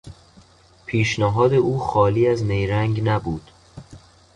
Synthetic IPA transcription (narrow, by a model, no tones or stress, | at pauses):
pʰiːʃnæɦɒːd̪e̞ʔuːxɒːliːæznejɾæŋɡnæbuːd̪̥